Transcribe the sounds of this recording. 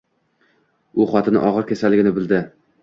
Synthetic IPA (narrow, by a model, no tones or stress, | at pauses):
ʊχɒt̪ʰɪnɪ̰ʔɒʁɨɾkʲʰasalːɪɡʲɪnɪbɪld̪ɪ